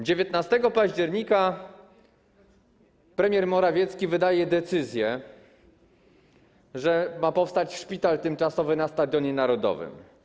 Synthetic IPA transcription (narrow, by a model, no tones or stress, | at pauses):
d͡ʑevʲjɛt̪nast̪ɛɡɔpaʑd͡ʑɛɾɲika | pɾɛmʲjɛɾmɔɾavʲjɛt̪skʲivɘd̪ajɛd̪ɛt̪sɘzʲjɛ | ʐɛmapɔfst̪at͡ɕʂpʲit̪alt̪ɘmt͡ʂasɔvɘnast̪ad̪ʲjɔɲɛnaɾɔd̪ɔ̰vɘ̰m